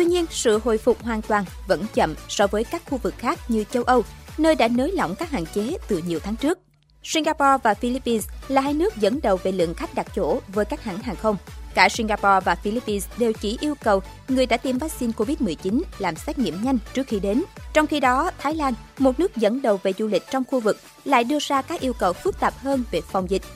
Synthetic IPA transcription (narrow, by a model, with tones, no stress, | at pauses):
t̪wi˧ɲi˧ənsɨ̰˧˨ho̰˧˨jfʊ˨˩k͡p̚ɦwaː˨˩nt̪waː˨˩nvə̰˧˥nt͡ɕə̰˧˨msɔ˧vəː˨˦jkaː˦˥k̚xu˧vɨ˨˩k̚xaː˦˥k̚ɲɨ˧t͡ɕə˧wʔə˧wnəː˧jɗa̰ː˧˥noː˨˦jlɔ̰˧˨wŋ͡mkaː˦˥k̚ha̰ː˧˨ŋt͡ɕe˨˦t̪ɨ˨˩ɲi˨˩əwt̪ʰaː˨˦ŋt͡ɕɨ˦˥ək̚ | si˧nɣaː˧pɔ˧vaː˨˩fi˧li˦˥pːi˧nslaː˨˩haː˧jnɨ˦˥ək̚zə̰˧˥nɗə˨˩wve˨˩lɨ̰˧˨əŋxa˦˥jk̟̚ɗa˨˩k̚t͡ɕo̰˧˩vəː˨˦jkaː˦˥k̚ha̰ː˧˥ŋɦaː˨˩ŋxə˧wŋ͡mkaː˧˩si˧ŋɣaː˧pɔ˧vaː˨˩fi˧li˦˥pːi˧nsɗe˨˩wt͡ɕi˧˩ʔi˧əwkə˨˩w | ŋɨ˨˩əjɗa̰ː˧˥t̪i˧mvaː˦˥k̚si˧nko˧vi˦˥t̚mɨ˨˩əjt͡ɕi˨˦nlaː˨˩msɛː˦˥t̚ŋḭ˧˨əmɲa˧jŋ̟t͡ɕɨ˦˥ək̚xi˧ɗe˨˦nt͡ɕɔ˧wŋ͡mxi˧ɗɔ˨˦t̪ʰaː˨˦jlaː˧nmo˨˩t̚nɨ˦˥ək̚zə̰˧˥nɗə˨˩wve˨˩zṵ˧lï˨˩k̟̚t͡ɕɔ˧wŋ͡mxu˧vɨ˨˩k̚ | la̰ː˧˨jɗɨ˧əzaː˧kaː˦˥k̚ʔi˧əwkə˨˩wfɨ˦˥k̚t̪aː˨˩p̚həː˧nve˨˩fɔ˨˩wŋ͡mzi˨˩k̟̚